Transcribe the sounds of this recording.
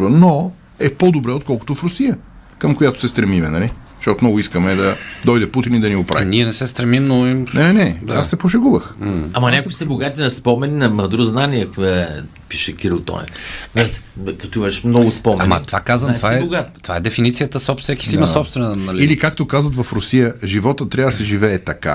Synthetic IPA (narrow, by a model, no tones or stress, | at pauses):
vəno | ɛpɔd̪obɾɛot̪̚kɔlˠko̥t̪ʊfɾʊsijə | kəmkojat̪ʊ̥sɛst̪ɾɛmimɛnɐli | ʃt̪ɔt̪omnɔɡʊiskəmɛd̪ɐd̪ɔjd̪ɛput̪inid̪ɐniɡʊpɾa̰viniɛnɛsɛst̪ɾɛmimnoiɛɛnɛd̪a̰sːɛpoʃ̬ɛɡubəxamɐnʲakʊisɛboɡat̪inɐspɔmɛninɐmɐd̪ɾuznanʲiɛə | piʃɛkʲiɾilˠt̪ɔ̰nʲɛ̰nakɐt̪ɔimɐʃmnɔɡʊspɔmɛa̰mɐ̰t̪ovakazənt̪vaɛoɡat̪ovaɛd̪ɛfinit̪sijət̪əsɔpst̪sɛki̥simɐsɔpst̪vɛnənɐlʲilikakt̪okazvət̪vɐfɾʊsijəʒivɔt̪ət̪ːɾʲavd̪əsɛʒivɛːt̪ɐka̰